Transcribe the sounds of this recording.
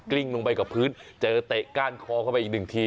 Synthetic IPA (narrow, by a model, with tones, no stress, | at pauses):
kli˥˩ŋlo˧ŋpa˧jka˨˩pʰɯː˦˥nt͡ɕɤː˧t̪e˨˩ʔkaː˧˥˩nkʰɔː˧kʰa˥˩pa˧ʔiː˨˩k̚nɯ˨˩ŋt̪ʰiː˧